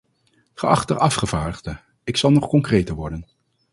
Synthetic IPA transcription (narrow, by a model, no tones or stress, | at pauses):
χəɑχtərʔɑfχəv̥aːɹdəʁdə | ɪksɑlˠnɔχkɔŋkrejtəɹʋɔɹdən